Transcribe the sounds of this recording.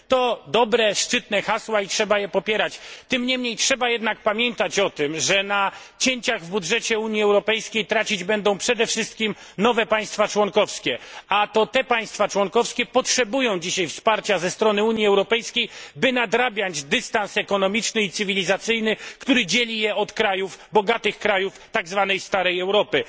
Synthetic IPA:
t̪ɔd̪ɔbɾɛʂt͡ʂɘt̪nɛxaswaitʂɛbajɛpɔpʲjɛɾat͡ɕt̪ɘmɲɛmɲejtʂɛbajɛd̪nak̚pamʲjɛnt̪at͡ɕɔt̪ɘmʐɛnat͡ɕeɲt͡ɕaɣvbudʐɛt͡ɕɛuɲjiɛwɾɔpɛjskʲejt̪ɾat͡ɕid͡ʑbɛnd̪ɔ̃w̃pʂɛd̪ɛfʂɘst̪̚kʲim | nɔvɛpaj̃st̪fat͡ʂwɔŋkɔfskʲɛat̪ɔt̪ɛpaj̃st̪fat͡ʂwɔŋkɔfskʲɛpɔtʂɛbujɔ̃w̃d͡ʑiɕajfspaɾt͡ɕazɛst̪ɾɔnɘuɲiɛwɾɔpɛjskʲejbɘnad̪ɾabʲjad͡ʑd̪ɘst̪ansɛkɔnɔmʲit͡ʂnɘit̪sɘvʲilʲizat̪sɘjnɘkt̪uɾɘd͡ʑelʲijɛɔt̪kɾajuvbɔɡat̪ɘxkɾajuft̪aɡzvanɛjst̪aɾɛjɛwɾɔpɘ

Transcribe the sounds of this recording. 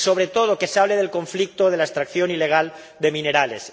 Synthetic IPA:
so̞β̞ɾe̞t̪o̞ð̞okesaβleð̞e̞lko̞ɱflik̚t̪oðe̞laest̪ɾakθjo̞nile̞ɣ̞al | d̪e̞mĩne̞ɾalḛs

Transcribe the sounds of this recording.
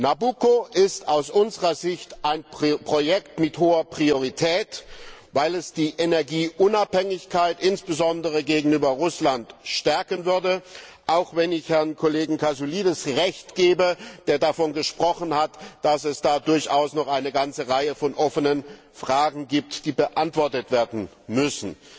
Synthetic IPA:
nabukoʔɪstaʊsʔʊnzəʁɐzɪçtʔaɪnpʁ̥ojɛktmɪthoːɐpʁ̥ioʁitʰɛːtvaɪlɛsd̥iːʔenɛɐɡiːʔʊnaphɛŋɪçkʰaɪtʔɪnsb̥əzɔndəʁəɡeːɡŋ̩yːbɐʁʊslantʃtɛɐkənvʏɐdəʔaʊxv̥ɛnɪçhɛɐnkʰoleːɡŋ̩kʰazuliːdəsʁɛçtɡ̥eːbəd̥eːɐdafɔnɡəʃpʁ̥ɔχən̩hatd̥asɛsd̥aːdʊɐçʔaʊsnɔχaɪnəɡant͡səʁaɪəfɔnʔɔfənən | fʁ̥aːɡŋ̩ɡiːp̚td̥iːbəʔantv̥ɔɐtətv̥eːɐdn̩ | mʏsn̩

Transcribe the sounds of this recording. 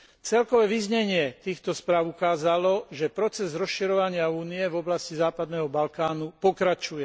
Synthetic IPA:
t͡sɛlkɔʋɛːʋizɲɛɲɪɛt̪iːxt̪ɔspɾaːʊukaːzalɔʒɛpɾɔt͡sɛzɾɔsʃiɾɔʋaɲɪauːniɛvɔblascizaːpad̪nɛːɦɔbalkaːnupɔkɾat͡ʃujɛ

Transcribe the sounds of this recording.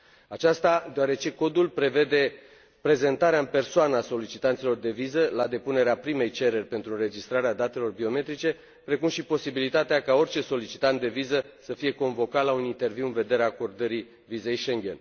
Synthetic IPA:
at͡ʃast̪ad̪eoaɾe̞t͡ʃe̞ko̞d̪ulpɾe̞ve̞d̪e̞ | pɾe̞ze̞nt̪aɾeaɨmpe̞rsoanaso̞lit͡ʃit̪ant̪silo̞rd̪e̞vizəlad̪e̞pune̞ɾeapɾime̞jt͡ʃe̞ɾe̞rʲpe̞nt̪ɾuɨɾe̞d͡ʒist̪ɾaɾead̪at̪e̞lo̞rbio̞me̞t̪ɾit͡ʃe̞ | pɾe̞kumʃipo̞sibilit̪at̪eakao̞rt͡ʃe̞so̞lit͡ʃit̪ant̪d̪e̞vizə | səfije̞ko̞ɱvo̞kat̪launint̪e̞rviwɨnve̞d̪e̞ɾeaːko̞rd̪əɾi | vize̞jʃe̞ŋɡʲe̞̰n

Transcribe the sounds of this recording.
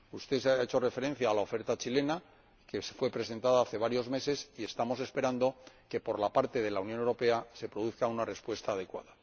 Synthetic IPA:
ust̪e̞saet͡ʃo̞re̞fe̞ɾe̞n̟θjaːlao̞fe̞ɾt̪at͡ʃile̞na | ke̞sfwe̞pɾe̞se̞nt̪aðaaθe̞β̞aɾjo̞zme̞se̞sie̞st̪amo̞se̞spe̞ɾand̪o̞ | ke̞po̞ɾlapaɾt̪e̞ð̞e̞launjo̞newɾo̞pe̞ase̞pɾo̞ðuθkaunare̞spwe̞st̪aːð̞e̞kwa̰ða

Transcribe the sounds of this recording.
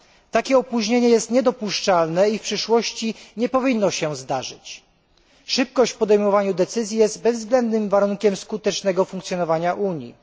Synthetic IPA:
t̪akʲɛɔpuʑɲeɲɛjɛst̪ɲɛd̪ɔpuʂt͡ʂalnɛifpʂɘʂwɔɕt͡ɕiɲɛpɔvʲinːɔɕɛzd̪aʐɘt͡ɕ | ʂɘp̚kɔɕt͡ɕfpɔd̪ɛjmɔvaɲud̪ɛt̪sɘzʲjijɛst̪̚bɛzzɡlɛnd̪nɘmvaɾuŋkʲɛmskut̪ɛt͡ʂnɛɡɔfuŋk̚t̪sjɔnɔvaɲaʔuɲjḭ

